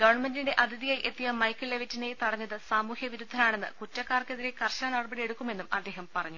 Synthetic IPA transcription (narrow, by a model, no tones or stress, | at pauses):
ɡɐʋɐɳmendinde̞ʔɐd̪ʱiðijajʔe̞t̪ːijɐmɐjkːɨlːeʋɐtːinejt̪uɐɽɐɲːɐðɨsaːmuːhjɐʋiɾud̪ʱːɐnaːɳe̞nːɨ̰kutːɐkːaːrkeðiɾe̞kɐrɕɐnɐrɐbɐɽijeɽukːume̞nːumɐd̪ːe̞ːɦɐmpɐrɐɲːu